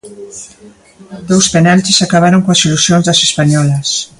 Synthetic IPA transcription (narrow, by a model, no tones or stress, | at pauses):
d̪owspenalt͡ʃesakaβaɾoŋkoasilusjonzðəsespaɲɔlɐs